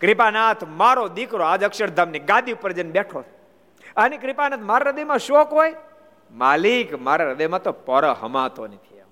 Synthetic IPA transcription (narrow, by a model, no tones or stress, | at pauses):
kɾipanat̪ʰmaɾod̪ikɾoad͡ʒəkʃəɾd̪ʱamniɡad̪iupəɾd͡ʒənbeʈʰo | ənekɾɪpanat̪ʰmaɾaɾəd̪əjmãʃokoj | maːlikmaɾaɾəd̪əjmãt̪opɔɾəɦə̰mãt̪onit̪ʰia